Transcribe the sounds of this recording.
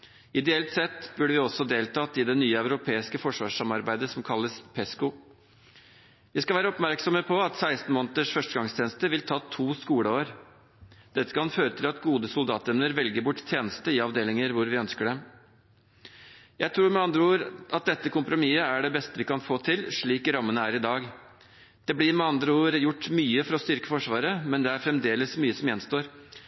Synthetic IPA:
ɪd̪ɛɛlt̪sɛt̪ːbʉɖəʋɪɔsɔd̪eːlt̪ɑːt̪ɪd̪ɛnyːəæʉɾʊpʰeːɪskəfɔʂʋɑ̰ːʂɑmɑɾbæɪd̪əsɔmkʰɑlːəspʰɛskʊ | ʋɪskɑʋæːɾəɔpmæɾksɔməpʰɔɑt̪sæɪst̪n̩moːnət̪əʂfœʂʈəɡɑŋst̪ʰeːnəst̪əʋɪlt̪ʰɑːt̪ʰuːskuːɽəoːɾ | d̪̥ɛt̪ːə̥kʰɑnføːɾət̪ʰɪlɑt̪ɡuːd̪əsʊld̪ɑːt̪ɛmnəɾʋɛlɡəɾbʊʈːt̪ʰjeːnəst̪əɪɑʋd̪eːlɪŋəɾʋʊɾʋɪœnskəɖɛm | jæɪt̪ʰɾuːɾmɛɑnd̪ɾəuːəɾʔɑt̪̚d̪ɛt̪ːəkʰʊmpɾʊmiːəæɖɛbɛst̪əʋɪkɑnfoːt̪ʰɪlʂɭiːkɾɑmːənəæːɾɪd̪ɑːɡ | d̪̥ɛbɽɪɾmɛɑnd̪ɾəuːəɾjʊʈːmyːəfɔɾɔst̪ʏɾkəfɔʂʋɑːɾəmɛnd̪ɛæɾfɾɛmd̪eːləsmyːəsɔmjɛnst̪oːɾ

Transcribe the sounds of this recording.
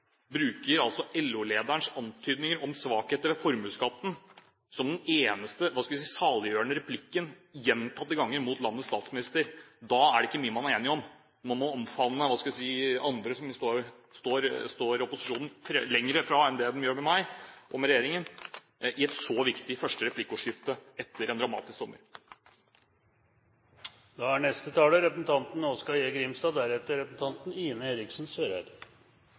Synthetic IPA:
bɾʉːkəɾɑlt̪sɔʔɛlːʉleːd̪æɳʂɑnt̪ʰyːd̪nɪŋəɾɔmsʋɑːkheːt̪əɾʋɛfɔɾmʉːskɑt̪ːn | sɔmd̪ɛneːnəst̪əʋɑːskɑlʋɪsiːsɑːlɪjøːəɳəɾɛpʰlɪkːən | jɛnːt̪ʰɑt̪ːəɡɑŋːəɾmuːt̪lɑnːət̪st̪ɑːt̪smɪnɪst̪əɾd̪ɑæɖɛɪkːəmyːəmɑnæɾeːnɪɔm | mɑnmɔɔmfɑnːəʋɑːskɑʋ̪ɪsiːɑnd̪ɾəsɔmst̪oːɾ | st̪oːɾst̪oːɾɔpʊsɪʂuːnn̩fɾɛlɛŋɾəfɾɑɛnd̪ɛd̪ɛmjøːɾmɛmæɪʔɔmɾɛjeːɾɪŋən | ʔɪɛt̪sɔʋɪkt̪ɪfœʂʈəɾɛplɪkːəuːʂɪft̪əɛt̪ʰːəɾɛnd̪ɾɑmɑ̰ːt̪ɪsk̚t̪ɔmːə̰ɾ | d̪ɑæɳɛst̪ət̪ʰɑːləɾɛpɾəsn̩t̪ʰɑnt̪n̩ɔskɑjeːɡɾɪmst̪ɑːd̪æɾɛt̪ːəɾɛpsn̩t̪ʰɑnt̪n̩iːnəheːɾɪksn̩søːɾæ̰ɾ

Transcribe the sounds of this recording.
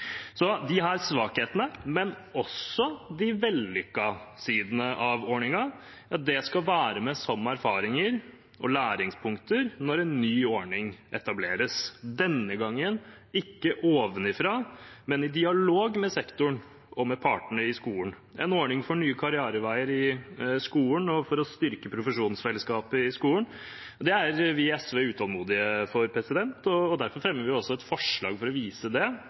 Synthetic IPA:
sɔd̪ɪɦɑɾsʋɑːkheːt̪ənəmɛn | ɔsːɔd̪ɪʋɛlːʏkːɑsiːd̪ənəʔɑʋoːɳɪŋɑ | ɑt̪̚d̪ɛskɑʋæːɾəmɛsɔmːæɾfɑːɾɪŋəɾ | ʔɔlæːɾɪŋspʰʊŋkt̪əɾnɔɾɛnːyːoːɳɪŋɛt̪ɑbleːɾəsd̪ɛnːəɡɑŋːən | ɪkːəʔoːʋənɪfɾɑːmɛnɪd̪ɪɑloːɡmɛsɛkt̪ʊɳ | ɔmɛpʰɑːʈəɳəɪskuːən | ɛnoːɳɪŋfɔɳyːəkʰɑɾɪɑːɾəʋæɪəɾɪskuːənɔfɔɾɔst̪ʏɾkəpʰɾʊfəʂuːnsfɛləskɑːpəɪskuːən | d̪ɛæɾʋɪɛsʋeːʉːt̪ʰɑlmuːd̪ɪəfɔɾpʰɾɛsɪd̪ɛnt̪ɔːd̪æɾfɔɾfɾɛmːəɾʋɪɪɔsːɔɛt̪fɔʂɭɑ̰ːɡfɔɾɔʋiːsəd̪ɛ

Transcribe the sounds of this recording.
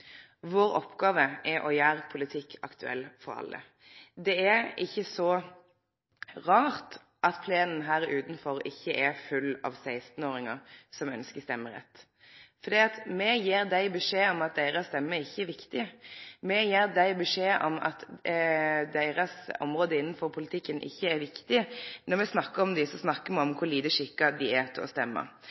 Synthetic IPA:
ʋoːɾɔ̰pɡɑːʋəʔɛʔɔjæːɾpʰʊlɪt̪ʰɪkʰːɑ̰kt̪ʉɛ̰lːfɔɾɑ̰lːə̰ | d̪ɛæɪçːəsɔ | ʁɑːɾt̪ | ʔɑt̪pʰleːnn̩ɦæːɾʉːt̪n̩fɔɾɪçːəʔɛfʉlːɑ̰ːʋsæɪst̪n̩oːɾɪŋəsɔmœnskəst̪ɛmːəɾɛ̰t̪ː | fɔɾd̪iːɑt̪mɛjeːɾd̪æɪbɛʂeːɔmɑt̪̚d̪æɪɾəst̪ɛmːəɪçːəɛʋɪkt̪ɪmɛjeːɾd̪æɪbɛʂeːʔɔmɑ̰t̪ | d̪æɪɾɑsɔ̰mʁoːd̪əɪnːənfɔɾpʰʊlɪt̪ʰɪkːənʔɪ̰çːəæɾʋɪkt̪ɪnɔɾmɛsnɑkːəɾɔmd̪ɪsɔsnɑkːəmɛɔmkʰʊliːd̪əʂɪkːɑd̪ɪæt̪ʰɪlɔ̰st̪ɛmːə̰

